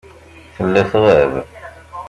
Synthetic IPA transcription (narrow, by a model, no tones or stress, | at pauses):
θəlːæθʁəv